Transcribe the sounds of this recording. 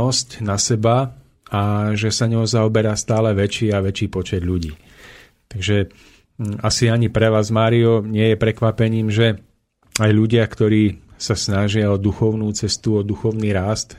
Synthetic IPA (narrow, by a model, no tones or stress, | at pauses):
ɔscnasɛba | aʒɛsaɲɔɦɔzaɔbɛɾaːst̪aːlɛʋɛt͡ʃiːaʋɛt͡ʃiːpɔt͡ʃɛd̪ʎuɟiː | t̪aɡʒɛ | asiaɲipɾɛʋaːzmaːɾiɔɲɪɛjɛpɾɛkʋapɛɲiːmʒɛ | ajʎuɟɪakt̪ɔɾiːsasnaʒɪaɔd̪uxɔʊnuːt͡sɛst̪uɔd̪uxɔʊniːɾast̪